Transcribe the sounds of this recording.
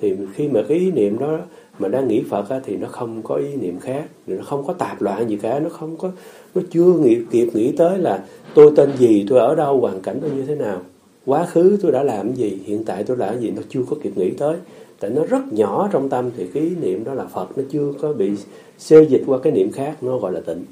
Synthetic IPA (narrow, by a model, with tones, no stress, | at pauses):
t̪ʰi˨˩xi˧maː˨˩kaː˨˦jʔi˨˦nḭ˧˨əmɗɔ˨˦ | maː˨˩ɗaː˧ŋːḭ˧˥fə˨˩t̚ʔaː˨˦t̪ʰi˨˩nɔ˨˦xə˧wŋ͡mkɔ˨˦ʔi˨˦nḭ˧˨əmxaː˦˥k̚i˨˩nɔ˨˦xə˧wŋ͡mkɔ˨˦t̪aː˨˩p̚lwa̰ː˧˨nzi˨˩kaː˨˩˦nɔ˨˦xə˧wŋ͡mkɔ˨˦ | nɔ˨˦t͡ɕɨ˧əŋḭ˧˨əki˨˩əp̚ŋḭ˧˥t̪əː˨˦jlaː˨˩t̪o˧jt̪e˧nzi˨˩t̪o˧jʔəː˧˩ɗə˧wkwaː˨˩ŋka˧˩jŋ̟ə˧ɲɨ˧t̪ʰe˨˦naː˨˩w | kwaː˨˦xɨ˨˦t̪o˧jɗa̰ː˧˥laː˨˩m˦zi˨˩hḭ˧˨ənt̪a̰ː˧˨jt̪o˧jlaː˨˩m˦zi˨˩nɔ˨˦t͡ɕɨ˧əkɔ˨˦ki˨˩əp̚ŋḭ˧˥t̪əː˨˦jt̪a̰ː˧˨jnɔ˨˦zə˦˥t̚ɲɔ˧˩t͡ɕɔ˧wŋ͡mt̪ə˧mt̪ʰi˨˩kaː˨˦ʔi˨˦nḭ˧˨əmɗɔ˨˦laː˨˩fə˨˩t̚nɔ˨˦t͡ɕɨ˧əkɔ˨˦ɓḭ˧˨ | se˧zï̟˨˩kwaː˧kaː˨˦jnḭ˧˨əmxaː˦˥k̚nɔ˨˦ɣɔ̰˧˨jlaː˨˩t̪ḭ˧˨ŋ̟